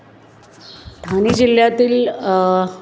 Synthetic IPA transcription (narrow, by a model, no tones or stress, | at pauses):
d̪ʱaniːd͡ʑiljat̪iːl